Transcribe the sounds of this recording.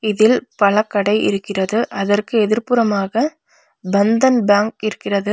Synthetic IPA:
ɪðɪlpɐlɐkːɐɽɐɪʔɪ̰ɾɯkːɪrɐðɯʔɐðɐrkɯɛðɪɾpɯɾɐmaːɣɐ | bɐnd̪ɐnbaːŋkɪɾɯkːɪrɐðɯ

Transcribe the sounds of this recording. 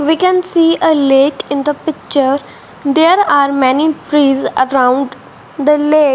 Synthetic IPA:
ʋiːkɛ̃nsiːʔəleːkɪ̃nd̪əpɪk̚t͡ʃəɾ | d̪eːɾaːɾmɛniʈɾiːzəɾãʊ̃ɳɖ | d̪əleːk

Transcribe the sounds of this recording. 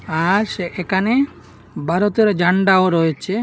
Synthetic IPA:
aɾseʔekʰane | bʱaɾot̪eɾd͡ʒʱaɳɖaoɾɔet͡ʃʰe

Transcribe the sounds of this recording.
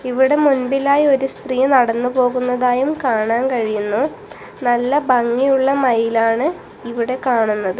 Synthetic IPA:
iʋiɽe̞munbilaːjo̞ɾust̪riːnɐɽɐnːupo̞ːɣunːɐðaːjumkaːɳaːnkɐɻijunːu | nɐlːɐbɐŋːijuɭːɐmɐjilaːɳɨ | iʋiɽe̞kaːɳunːɐðɨ

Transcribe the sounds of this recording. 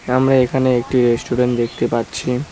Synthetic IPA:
amɾaekʰaneek̚ʈiɾesʈuɾeɳʈd̪ekʰt̪epatːɕʰi

